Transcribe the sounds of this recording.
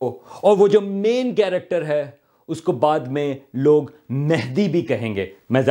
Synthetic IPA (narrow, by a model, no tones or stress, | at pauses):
ɔːɾʋod͡ʒoːmeːnkɛːɾɛk̚ʈəɾɦɛ | ʊskobaːd̪mẽloːɡ | mɛɦd̪ibʱikɐɦẽːŋɡeːmɛːz